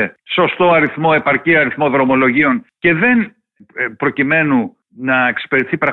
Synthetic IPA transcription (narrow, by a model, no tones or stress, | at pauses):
eso̞st̪o̞ɐɾiθmo̞e̞pɐɾciɐɾiθmo̞ðɾo̞mo̞lo̞ʝio̞nce̞ðe̞n | pɾo̞cime̞nu | nɐekse̥peɾet̪iθipɾɐ